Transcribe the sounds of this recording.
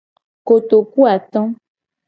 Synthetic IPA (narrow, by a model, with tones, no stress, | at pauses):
ko˨t̪o˨ku˦a˨t̪ɔ̃˦